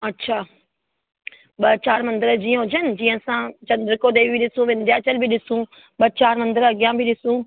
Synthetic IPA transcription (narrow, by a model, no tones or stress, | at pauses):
ɐtːɕʰaː | ɓɐt͡ɕaːɾmɐ̃nd̪əɾd͡ʑiːə̃ɦʊd͡ʑənɪ̆d͡ʑĩːɦə̃sãt͡ɕɐ̃nd̪ɾkoːd̪eːbʱiɗɪsũʋẽːnd̪ijaːt͡ɕɐlbʱiɗɪsũ | ɓɐt͡ɕaːɾmɐ̃nd̪əɾɐɡijãbʱiɗɪsũ